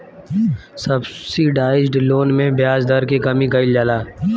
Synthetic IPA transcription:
sɐbsiɖaːɪd͡ʒɖloːnmẽbjaːzd̪ɐɾkekɐmiɡɐɪld͡ʒaːlaː

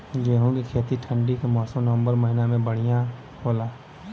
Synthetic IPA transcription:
ɡeːɦũɡikʰeːt̪iʈʰə̃ɳɖikemɔːsəmnəʋə̃mbəɾmɐɦɪnamẽbəɽ̤ijã | hoːlaː

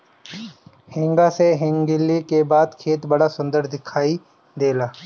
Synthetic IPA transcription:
hɪ̃ŋɡaseɦɪ̃ŋɡɪlːikebaːd̪kʰeːt̪bɐɽasʊ̃nd̪əɾd̪ɪkʰaːi | d̪eːlaː

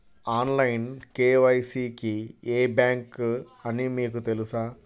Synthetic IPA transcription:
aːnlɐjnkeːʋɐjsiːkieːbjaːŋk | ɐnimiːk̬ut̪e̞lusaː

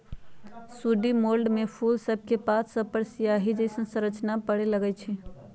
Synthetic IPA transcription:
suɖimolɖmepʰulsəb̚ʱkepat̪ʰsəb̚pəɾsijaɦid͡ʒɛɪsə̃nsə̃ɾət͡ʃnapəɽeləɡɛt͡ʃʰɛ

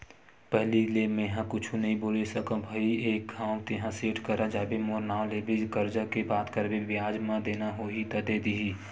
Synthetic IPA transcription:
pɛɦlilemẽɦãkʊt͡ʃʰunɐɦĩboːlesəkõbʱəieːk̚ɡʱãːwt̪eɦãseːʈʰkəɾad͡ʒaːbemoːɾnaːwleːbɪd͡ʒkəɾd͡ʒakebaːt̪kəɾbebjaːd͡ʒmãd̪eːnaɦoit̪ɐd̪ed̪iiː

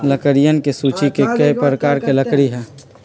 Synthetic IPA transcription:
ləkəɾijənkesuːt͡ʃikekəipɾəkaːɾkeləkɾiɦɛ̃ː

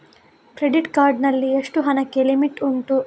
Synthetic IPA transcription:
kɾeɖiʈkaːɾɖnɐlːieʂʈuɦɐnɐkːelimiʈuɳʈu

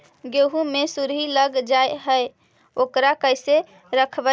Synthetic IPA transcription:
ɡeɦumesuɾɦiləɡd͡ʒaeɦəe | okɾakəjse | ɾəkʰbə

